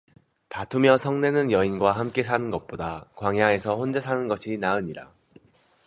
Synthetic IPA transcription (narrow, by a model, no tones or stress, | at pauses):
tatʰumjʌsʰʌŋne̞nɯnjʌinɡwahamk͈e̞sʰanɯnɡʌk̚p͈odakwaŋɦjaŋe̞sʰʌɸond͡ʑesʰanɯnɡʌɕʰinaɯɲiɾa